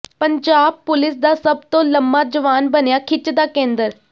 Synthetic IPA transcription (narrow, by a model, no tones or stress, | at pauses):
pəɲd͡ʒaːb̚pʊlɪs̬d̪aːsəbt̪õːləmbaːd͡ʒəʋaːnbənjaːkʰɪt͡ʃd̪aːkẽːnd̪əɾ